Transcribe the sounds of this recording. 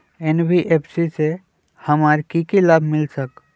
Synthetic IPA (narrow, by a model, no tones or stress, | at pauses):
enbiʔepʰsise | həmaɾkikilabʱmɪlsək